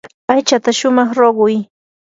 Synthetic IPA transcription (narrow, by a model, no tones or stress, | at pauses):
ajt͡ʃat̪aʃʊmɑχɾoɢʊj